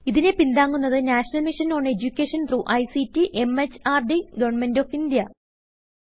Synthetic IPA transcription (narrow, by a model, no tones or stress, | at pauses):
iðinepind̪aːŋːunːɐðɨnaːʂɐnɐlmiʂɐnoːɳɖe̞d͡ʑukʲːeːʂɐnruʔɐjsitːiʔe̞met͡ɕːaːrɖiɡɐʋɐrɳmendoːfind̪jɐ